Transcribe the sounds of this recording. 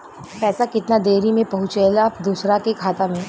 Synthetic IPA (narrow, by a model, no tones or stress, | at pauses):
pɛːsakɪt̪nad̪eːɾimẽpɐɦʊ̃t͡ʃelaɐpd̪uːsɾakekʰaːt̪amẽ